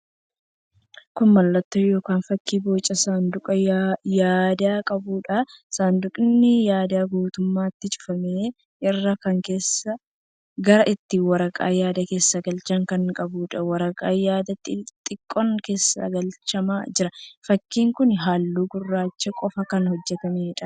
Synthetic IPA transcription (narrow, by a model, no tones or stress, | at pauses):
kʊnmɐlːɐt̪ːoːjo̞ːkaːnfɐkːiːboːt͡ʃʼːɐsaːnd̪ʊkʼɐjaːd̪aːkʼɐbuːᶑɐsaːnd̪ʊkʼɪnːɪjaːd̪aːɡuːt̪ʊmːaːɪt̪ːɪt͡ʃʼʊ̥fɐmeː | ʔɪrːɐkɐŋke̞ːsːɐ | ɡɐɾɐʔɪt̪ːɪwɐɾɐkʼa̰ːjaːd̪ɐke̞ːsːɐɡɐlt͡ʃɐŋkɐŋkʼɐbuːᶑɐwɐɾɐkʼaːjaːd̪ɐt̪ːɪt̪ʼɪkʼːɔŋke̞ːsːɐ̰ɡɐlt͡ʃɐmaːd͡ʒɪɾɐfɐkːiːŋkʊnɦaːlːuːɡʊrːaːt͡ʃːɛkʼɔfɐkɐnhɔd͡ʒːɛt̪ɐmeːᶑɐ